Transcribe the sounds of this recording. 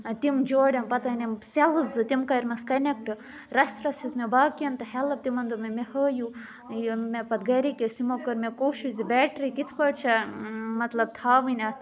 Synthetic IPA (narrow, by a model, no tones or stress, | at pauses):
t̪imd͡ʒoːɽʲɐmpɐt̪ɐnemselɨzɨt̪imkɐɾʲmɐskɐnek̚ʈɨ | ɾɐsʲɾɐsʲismebaːkɐnt̪ɐhɛlɐb̚t̪imɐnd̪ɨmemehəːju | mepɐt̪̚ɡɐɾikʲesʲt̪imokɐɾmekoːʃizibɛːʈɾikit̪ʰpɐɽt͡ʃʰɐmɐt̪lɐb̚t̪ʰaːʋɨnʲɐ